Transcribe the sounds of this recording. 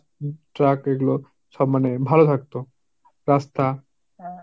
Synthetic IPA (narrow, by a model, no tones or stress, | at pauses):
ʈɾakeɡulo | ʃɔbmːanebʱalot̪ʰak̚t̪o | ɾast̪a